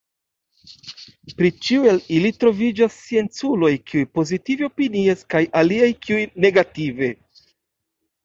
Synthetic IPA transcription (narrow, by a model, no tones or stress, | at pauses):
pɾit͡ʃiue̞lilitɾo̞vid͡ʒasːie̞nt͡sulo̞jkʰiujpo̞zitiveopiniaskajʔaliajkʰiujne̞ɡative̞